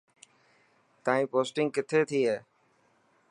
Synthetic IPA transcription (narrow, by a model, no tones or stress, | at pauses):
t̪ãːĩːpoːsʈɪ̃ŋɡkɪt̪ʰeːt̪ʰiːɦeː